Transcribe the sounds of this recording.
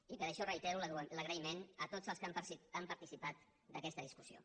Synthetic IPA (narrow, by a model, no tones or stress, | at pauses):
ipəɾəʃɔrəjt̪ɛɾulələɣɾəimenət̪od͡zəlˠskampəiampəɾt̪isipat̪̚ | d̪əkɛst̪əðiskusio̰